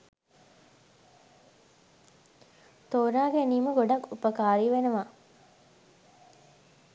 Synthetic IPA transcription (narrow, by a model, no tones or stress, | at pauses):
t̪oːɾaːɡæniːməɡoɖakːupəkaːɾiʋenəʋa